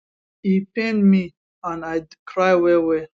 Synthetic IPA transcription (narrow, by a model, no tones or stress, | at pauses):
ipɛ̃nmi | ãnajkʰɹajwɛwɛ